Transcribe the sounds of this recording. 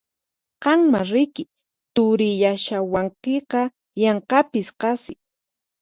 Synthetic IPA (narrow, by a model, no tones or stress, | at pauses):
qɑŋmaɾɪkɪ | t̪ʊɾɪjaʃawaɴqeqɑ | jɑɴqɑpɪsqɑsɪ